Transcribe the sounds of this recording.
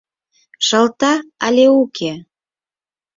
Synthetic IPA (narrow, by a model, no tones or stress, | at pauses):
ʃə̆lt̪ɑɑlʲeukʰe